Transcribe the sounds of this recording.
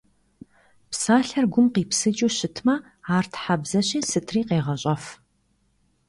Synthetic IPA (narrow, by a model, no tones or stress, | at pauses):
psaːɬɐrɡʷʊmqiːpsɨt͡ʃʼuːɕɪtʰmɐ | aːrtʰħabzɐɕʼiːsɨtʰriːqeːʁɐɕʼɐf